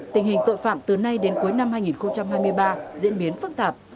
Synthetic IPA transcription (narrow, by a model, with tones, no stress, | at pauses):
t̪ï˨˩ŋ̟hï˨˩ŋ̟t̪o̰˧˨jfa̰ː˧˨mt̪ɨ˨˩na˧jɗe˨˦nku˨˦jna˧mhaː˧jŋi˨˩nxə˧wŋ͡mt͡ɕa˧mhaː˧jmɨ˧əjɓaː˧zḭ˧˥ənɓi˨˦ənfɨ˦˥k̚t̪aː˨˩p̚